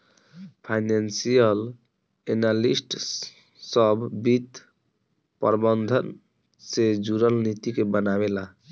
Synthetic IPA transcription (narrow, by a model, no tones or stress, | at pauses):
pʰajnansijəl | enalisʈ | sʌbʱbit̪ | pə̰ɾbənd̪ʱən | sed͡ʒuɾəlnit̪ikebənaβela